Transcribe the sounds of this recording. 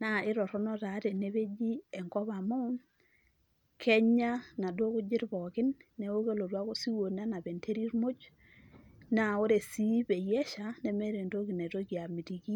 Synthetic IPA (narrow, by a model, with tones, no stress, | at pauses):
na˨ɪ˦ɾɔ˨ɾɔ˦nɔ˦ta˨˦te˨ne˨˦βe˦d͡ʒi˦ɛ˨ŋkɔ˦ba˨mo˦n | kʰɛ˦ɲa˦na˨dwo˦kʊ˦d͡ʒɪ˦ɾbɔ˨kɪ˦nːɛ˨˦o˦ke˦lo˨dwa˦ko˦si˦wo˨na˦na˨be˨ntʰe˦ɾi˦ɾmo˦t͡ʃ | na˦˨o˦ɾe˨si˦be˨jɛ˦ʃa˨nɛ˨mɛ˦ɾe˨nto˦ki˨ne˨to˦ki˨a˨mi˨ti˨ki˦